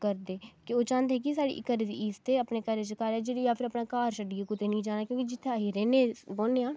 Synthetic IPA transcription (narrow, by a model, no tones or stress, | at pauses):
kəɾd̪eːkɪoːt͡ʃãːnd̪eeːkɪs̬aːɽḭːʔkəɾeːd̪iːiːst̪eːəpneːkəɾeːt͡ʃəkaɾɛːd͡ʒeːɽejaːpʰɪɾəpnaːkaːɾsəɖiːeːkʊt̪eːnĩːd͡ʒaːnaːkjõːkid͡ʒɪt̪ʰːeaːɦiːɾɛːneːboːnːeːaː